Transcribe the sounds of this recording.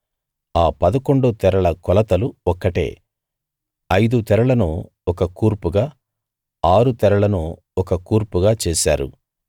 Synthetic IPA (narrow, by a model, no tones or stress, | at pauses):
aːpɐd̪ɐko̞ɳɖut̪ɛɾɐɭɐkɔlɐt̪ɐluɔkːɐʈḛː | ɐjd̪ut̪ɛɾɐɭɐnuː | ɔkɐkuːɾpuɡaː | aːɾut̪ɛɾɐɭɐnuː | ɔkɐkuːɾpuɡaːt͡ʃeːsa̰ːɾṵ